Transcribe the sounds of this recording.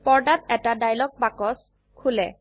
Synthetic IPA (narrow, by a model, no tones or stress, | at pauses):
pɔɹdatɛtadajlɔk̚bakɔs | kʰulɛ